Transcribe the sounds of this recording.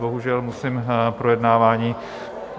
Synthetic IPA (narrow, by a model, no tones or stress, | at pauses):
boɦuʒɛlmusimpɾojɛdnaːvaːɲiː